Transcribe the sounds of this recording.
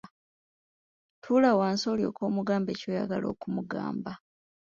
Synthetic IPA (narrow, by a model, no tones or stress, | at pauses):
tʰulawaːnso̞ːljo̞̰ːko̞ːmuɡaːmbe̞ːco̞ːja̰ɡalo̞̰ːkumuɡa̰ːmba